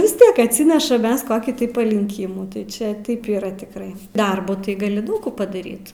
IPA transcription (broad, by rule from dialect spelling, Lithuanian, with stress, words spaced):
ʋʲɪs ˈtʲiɛk ɐtʲˈsʲɪnʲɛʃɐm ˈmʲɛs ˈkoːkʲiː tɐɪ pɐlʲɪŋʲˈkʲɪmuː tɐɪ ˈt͡ʃʲɛ tɐɪp iːˈrɐ tʲɪkˈrɐɪ ˈdɐrbʊ tɐɪ ɡɐˈlʲɪ ˈdɐʊk kuː pɐdɐˈrʲiːt